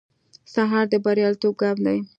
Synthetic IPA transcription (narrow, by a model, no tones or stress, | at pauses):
saɦɑɾd̪əbaɾijɑlt̪ob̚ɡɑmd̪aj